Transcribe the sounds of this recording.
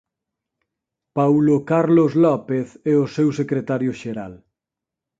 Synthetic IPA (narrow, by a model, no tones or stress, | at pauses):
pawlokaɾlozlɔpeθɛosewsekɾet̪aɾjoʃeɾa̰l